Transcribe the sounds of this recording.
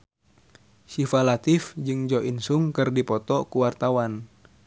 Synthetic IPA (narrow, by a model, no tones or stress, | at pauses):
sifalat̪ifd͡ʒɨŋd͡ʒɔʔinsuŋkɨrdipɔt̪ɔkuwart̪awan